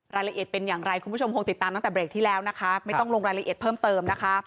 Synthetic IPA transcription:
ɾaː˧jla˧ʔt̪̚pe˧njaː˨˩ŋɾa˧jkʰu˧˦u˥˩o˧mkʰo˧ŋt̪i˨˩t̪ːaː˧t̪ŋt̪ɛː˨˩bɾeː˨˩k̚t̪ʰiː˥˩lɛː˦˥wna˦˥kʰa˦˥ma˥˩jjt̪ɔ˥˩ŋloː˧ŋɾaː˧jla˧ʔḭ˨˩t̪̚pʰɤː˥˩mt̪ɤː˧mna˦˥kʰa˦˥

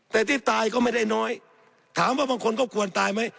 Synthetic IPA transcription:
t̪ɛː˨˩t̪ʰiː˥˩t̪aː˧jkɔː˥˩ma˥˩jda˥˩jnɔː˦˥j | t̪ʰaː˩˦mwaː˥˩baː˧ŋkʰo˧nk̬ɔː˥˩kʰu˨˧ənt̪aː˧jma˦˥j

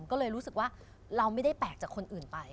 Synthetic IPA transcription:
mkɔː˥˩lɤː˧jɾuː˦˥sɯ˨˩k̚waː˥˩ | ɾa˧wma˥˩jda˥˩jpɛː˨˩k̚t͡ɕaː˨˩kʰo˧nʔɯː˨˩npa˧j

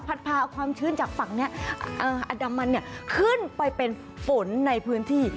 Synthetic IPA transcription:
pʰa˦˥t̪̚pʰaː˧ʔkʰwaː˧mt͡ɕʰɯː˧˥nt͡ɕaː˨˩k̚fa˨˩k̚ni˦˥ɐʔɤː˧˩ʔa˧da˧mːa˧nːi˥˩ɐkʰɯ˥˩npa˧jpe˧n | fo˩˦nːa˧jpʰɯː˦˥nt̪ʰiː˥˩

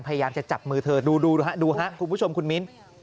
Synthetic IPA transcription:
npʰa˧ja˧jaː˧mt͡ɕa˨˩t͡ɕa˨˩p̚mɯː˧t̪ʰɤː˧duː˧duː˧ɦa˦˥duː˧ɦa˦˥ʔkʰu˧npʰu˦˥t͡ɕʰo˧mkʰu˧nmi˦˥n

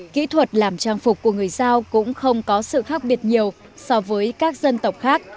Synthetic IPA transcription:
kḭ˧˥t̪ʰwə˨˩t̚laː˨˩mt͡ɕaː˧ŋfʊ˨˩k͡p̚kːu˧˩əŋɨ˨˩əjzaː˧wkʊ̰˧˥ŋ͡mxə˧wŋ͡mkɔ˨˦sɨ̰˧˨xaː˦˥k̚ɓi˨˩ət̚ɲi˨˩əw | sɔ˧vəː˨˦jkaː˦˥k̚zə˧nt̪ə˨˩wk͡p̚xaː˦˥k̚

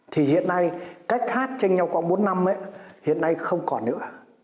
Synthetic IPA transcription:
t̪ʰi˨˩hḭ˧˨ənːa˧jka˦˥jk̚haː˦˥t̚t͡ɕe˧ŋɲa˧˩wkwa̰˧˩ŋɓo˨˦nːa˧mʔa̰˧˥hḭ˧˨ənːa˧jxə˧wŋ͡mkɔ˨˩nɨ̰˧˥ə

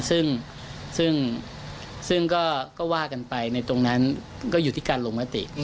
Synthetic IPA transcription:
sɯ˥˩ŋ | sɯ˥˩ŋ | sɯ˥˩ŋkɔː˥˩kɔː˥˩waː˥˩ka˧npa˧jna˧jt̪o˧ŋna˦˥n | kɔː˥˩juː˨˩t̪ʰiː˥˩kaː˧nloː˧ŋma˦˥t̪ḭ˨˩ʔ

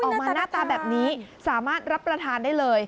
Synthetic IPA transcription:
ʔɔː˨˩˧maː˧naː˥˩t̪aː˧bɛː˨˩p̚niː˦˥saː˩˦maː˥˩t̪̚ɾa˦˥pːɾa˧t̪ʰaː˧ndaː˥˩jlɤː˧j

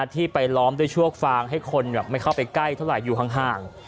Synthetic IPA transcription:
a˧˩t̪ʰiː˥˩pa˧jlɔː˦˥md̪u˥˩əjt͡ɕʰu˥˩ək̚faː˧ŋɦa˥˩jkʰo˧nbɛː˨˩p̚ma˥˩jkʰa˥˩wpa˧jkla˥˩jt̪ʰa˥˩wɾa˨˩˦jːuː˨˩t̪ʰa˦˥ŋɦaː˨˩ŋ

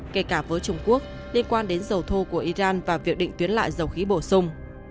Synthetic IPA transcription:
ke˧˩kaː˧˩vəː˨˦jt͡ɕʊ˧ŋ͡mku˦˥ək̚ | li˧ənkwaː˧nɗe˨˦nzə˨˩wt̪ʰo˧ku˧˩əʔi˧zaː˧nvaː˨˩vi˨˩ək̚ɗḭ˧˨ŋt̪wi˨˦ənla̰ː˧˨jzə˨˩wxi˨˦ɓo̰˧˩sʊ˧ŋ͡m

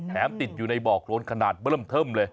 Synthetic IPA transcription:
t̪ʰɛː˩˦mt̪i˨˩t̪̚juː˨˩na˧jbɔː˨˩k̚lo˧˦˥nkʰa˧naː˨˩t̪̚bmt̪ʰɤː˥˩mlɤː˧j

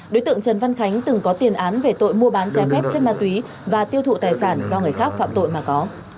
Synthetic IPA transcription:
ɗo˨˦t̪ɨ̰˧˨əŋt͡ɕə˨˩nva˧nxa˨˦jŋ̟t̪ɨ˨˩ŋkɔ˨˦t̪i˨˩ənʔaː˨˦nve˨˩t̪o̰˧˨jmu˧əɓaː˨˦nt͡ɕɛ˨˦fɛ˦˥p̚t͡ɕe˦˥n̚maː˧t̪wi˨˦ | vaː˨˩t̪i˧əwt̪ṵ˧˨t̪aː˨˩jsaː˧˩nzɔ˧ŋɨ˨˩əjxaː˦˥k̚fa̰ː˧˨mt̪o̰˧˨jmaː˨˩kɔ˨˦

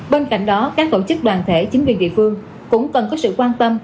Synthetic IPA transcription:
ɓe˧nka̰˧˨jŋ̟ɗɔ˨˦kaː˦˥k̚t̪o̰˧˥t͡ɕɨ˦˥k̚ɗwaː˨˩nt̪ʰe˧˩t͡ɕi˨˦ŋ̟kwi˧˩ənɗḭ˧˨əfɨ˧əŋ | kʊ̰˧˥ŋ͡mkə˨˩nkɔ˨˦sɨ̰˧˨kwaː˧nt̪ə˧m

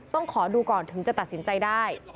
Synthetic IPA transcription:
t̪ɔ˥˩ŋkʰɔː˩˦duː˧kɔː˨˩nt̪ʰɯ˩˦ŋt͡ɕa˨˩t̪a˨t̪̚si˩˦nt͡ɕa˧jdaː˥˩j

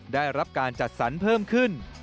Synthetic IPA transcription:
daː˥˩jɾa˦˥p̚kaː˧nt͡ɕa˨˩t̪̚sa˩˦˥npʰɤː˥˩mkʰɯ˥˩n

